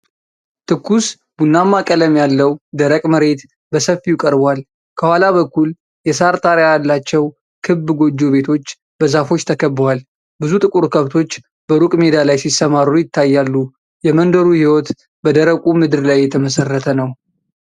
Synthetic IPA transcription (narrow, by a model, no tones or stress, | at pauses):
t̪ʰɨkːus | b̥unːamːakʼələmjalːəwd̪əɾəkʼməɾe̞t̪ | bəsəfijukʼəɾbal | kʰəhwalaβəkːul | jɛsaɾt̪ʰʼaɾjajalːat͡ʃːɛw | kʰɨbːɡo̞d͡ʒːo̞βe̞t̪ʰo̞t͡ʃː | b̥əzafo̞t͡ʃːt̪ʰəkʰəbːəwal | bɨzut̪ʼɨkʼuɾkʰəβt̪ʰo̞t͡ʃː | b̥əɾukʼme̞d̪alajsisːəmaɾujɪt̪ʰːajːalːu | jɛmənd̪əɾuhiwɔt̪ | bəd̪əɾəkʼumɨd̪ɨɾlajːɛt̪ʰəməsərːət̪ʰənəw